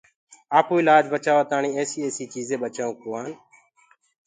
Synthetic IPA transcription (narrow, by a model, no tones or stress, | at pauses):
aːpuːɪlaːd͡ʒbət͡ʃaːʋaːt̪aːɳĩːeːsiːeːsiːt͡ʃiːzẽːɓət͡ʃaːũːkoːaːn